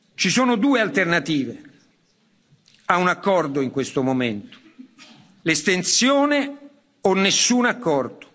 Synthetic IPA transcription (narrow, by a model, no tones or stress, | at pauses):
t͡ʃisoːnod̪uːealt̪ernat̪iːve | aunakːɔrd̪oiŋkwest̪omoment̪o̥ | lest̪ent̪sjoːne | onːesːunakːɔrd̪o̥